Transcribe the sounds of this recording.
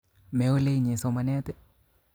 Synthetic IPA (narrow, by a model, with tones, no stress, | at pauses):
me˨o˦le˦iɲe˨so˨ma˦nɛ˦t̪ɛ˦